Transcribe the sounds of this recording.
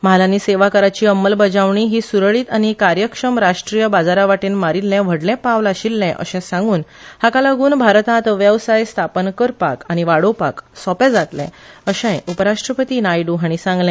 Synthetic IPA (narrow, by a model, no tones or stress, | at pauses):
məalaniːseʋakəɾat͡ɕiːəmːəlbəd͡zaʋɳiɦiːsuɾəɭiːt̪añikaɾjəkʂəmɾaʂʈɾijəbad͡zaɾaʋaʈiːnmaɾilːɛ̃ʋ̤ʱəɽlɛ̃paʋlaɕilːɛ̃ʔə̰ɕɛ̃sãŋɡuːn | hakalaɡuːnbʱaɾt̪ãt̪əʋjəʋsajst̪ʰapənkəɾpa̰kañiʋaɽopa̰ksɔpɛ̃d͡zat̪lɛ̰̃əɕɛ̃jupəɾaʂʈɾəpət̪iːnajɖuɦaɳ̃isãŋɡlɛ̃